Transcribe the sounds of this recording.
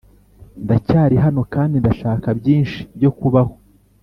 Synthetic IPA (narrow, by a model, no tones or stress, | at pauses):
ndacaːɾiɦano̞kaːndindaʃaːkabɟiːnʃi̥bɟo̞kuβaho